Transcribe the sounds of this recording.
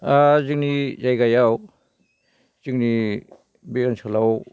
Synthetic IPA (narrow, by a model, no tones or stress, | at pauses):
aziŋnizajɡajaw | z̥iŋni | biɔnsʰalaw